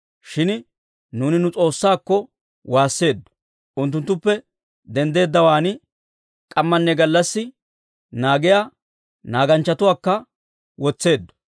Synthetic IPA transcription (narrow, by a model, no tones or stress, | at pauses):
ʃɪn | nuːnɪnʊt͡sʼo̞ːsːaːkːɔ | waːsːe̞ːd̪ːɔ̥ | ʔʊnt̪ːʊnt̪ːʊpːɛ | d̪ɛnd̪e̞ːd̪ːɐwaːnɪ | kʼɐmːɐnːɛɡɐlːɐsːɪ | naːɡɪjaː | naːɡɐnt͡ʃːɐt̪ʊwaːkːɐ | wɔt͡sːe̞ːd̪ːɔ̥